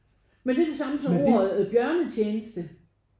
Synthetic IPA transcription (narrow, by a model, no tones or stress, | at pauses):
mend̥e̝ɐd̥e̝sɑ̈məsɒ̽mo̝ɐ̰ð̩ˠæðˠb̥jɶɐnət͡ɕʰeːnəsd̥ə